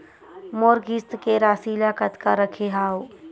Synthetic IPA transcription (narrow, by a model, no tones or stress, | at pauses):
moːɾɡist̪keɾaːsiːlakət̪kaɾəkʰeɦaːo